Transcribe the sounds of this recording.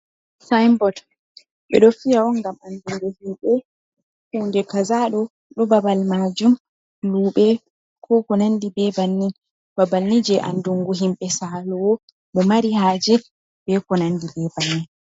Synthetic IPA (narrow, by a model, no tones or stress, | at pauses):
sajmbɔt | ɓɛ̰ɗɔfijaɔnŋɡamanduŋɡuhimɓɛ | hundɛkazaɗɔ | ɗɔbabalmad͡ʒum | luːɓɛ | kʰɔkɔnandibɛbanːin | b̥abalːid͡ʒɛʔa̰nduŋɡuɦimɓɛsalɔwɔ | ɗɔmaɾiɦaːd͡ʒɛ | b̥ɛkɔnandibɛbanːin